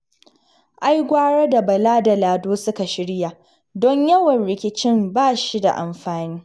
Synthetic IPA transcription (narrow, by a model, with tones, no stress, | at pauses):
ʔa˦jɡʷaː˦ɽa˦da˨bɐ˨laː˦da˨laː˨doː˦sʊ˦ka˨ʃɪ˦ɽja˨ | dɔ˦ɲjɐ˦wɐ˨nɽɪ˨kʲɪ˦t͡ʃɪ˦mbaː˦˨ʃi˦da̰˨ʔa̰˨mɸaː˨niː˦